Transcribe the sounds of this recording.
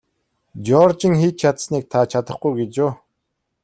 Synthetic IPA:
d͡ʑɔːrt͡ɕɪ̆ŋxiːt̪̚t͡ɕʰat̪sniːk̚t̪ʰat͡ɕʰat̪ə̆χɡujɡet͡ɕʊː

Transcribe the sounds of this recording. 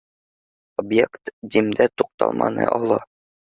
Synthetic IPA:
objekt̪d̪imd̪æt̪uq̚t̪ɑ̰lˠmʔɑnɤ̰ʔɒlˠɤ

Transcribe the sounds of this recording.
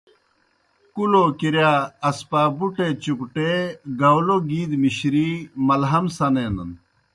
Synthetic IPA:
kuloːkiɾjaːɐspaːbuʈet͡ɕukʈeɡɐwloɡiːd̪miɕɾimɐlɦɐmsɐnenɐn

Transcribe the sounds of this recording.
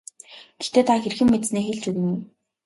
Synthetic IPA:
ɡ̥ext̪eːt̪ʰaxerxɘ̆mːet̪sneːxeɮt͡ɕuɣ̆ŋ

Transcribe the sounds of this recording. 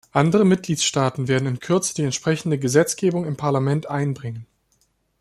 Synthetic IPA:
ʔandəʁ̞əmɪt̚ɡ̥liːtʃtaːtn̩veːɐdn̩ɪnkʰʏɐt͡sə̥d̥iːɛntʃpʁ̥ɛçn̩dəɡəzɛt͡sɡ̥eːbʊŋɪmpʰaɐlamɛntʔaɪnbʁɪŋən

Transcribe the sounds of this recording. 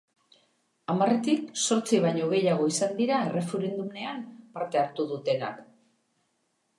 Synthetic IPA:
amare̞t̪ikso̞ɾt͡siβ̞aɲo̞ɣ̞e̞jaɣ̞o̞isand̪iɾae̞re̞fe̞ɾe̞nd̪ume̞ampaɾt̪e̞aɾt̪uðut̪e̞na̰k

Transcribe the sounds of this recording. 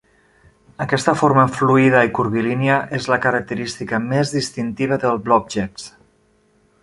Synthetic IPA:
əkɛst̪əfoɾməfluiðəikuɾβiliniəʔezləkəɾək̚t̪əɾist̪ikəmezðist̪int̪iβ̞əðəlˠblɔb̚ʒɛks

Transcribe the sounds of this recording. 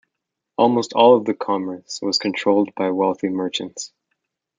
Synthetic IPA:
ʔɔlˠmoʊstʰɔlˠʌvðɨkʰɑmə˞swʌz̥kʰɨ̃ntʰɹ̥oʊlˠd̚baɪwɛlˠθimɜ˞t͡ʃɨ̃nts

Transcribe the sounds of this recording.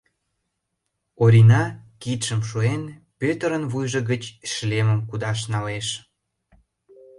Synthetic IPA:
oɾʲinɑkit̪ʃəmʃuen | pøt̪əɾənvujʒə̆ɣət͡ɕʃleməmkud̪ɑʃ̬nɑleʃ

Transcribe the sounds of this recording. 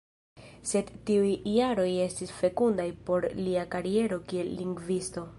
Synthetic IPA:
se̞dtiujːaɾo̞je̞stisfe̞kundajpo̞ɾliakaɾie̞ɾo̞kie̞lːiŋɡvisto̞

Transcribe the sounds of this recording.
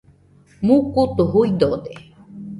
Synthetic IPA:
mukut̪uɦujd̪od̪e

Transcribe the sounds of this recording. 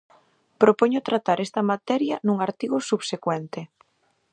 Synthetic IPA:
pɾopoɲʊt̪ɾat̪aɾɛst̪ɐmat̪ɛɾjɐnũŋaɾt̪iɣʊsuβsekwɛnt̪ɪ

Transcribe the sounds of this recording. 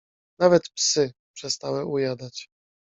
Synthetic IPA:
navɛt̪psɘpʂɛst̪awɛujad̪at͡ɕ

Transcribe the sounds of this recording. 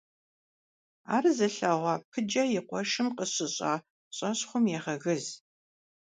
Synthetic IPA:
a̰ːrzɐɬɐʁʷɑːpʰɨd͡ʒɐjɪqʷɔʃɨmqəɕɪɕʼa̰ː | ɕʼɐɕχʷʊmjɛːʁɐɣɨz

